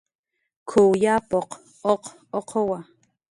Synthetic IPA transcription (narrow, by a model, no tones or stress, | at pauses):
kʰowjapoq | oq | oqʰowa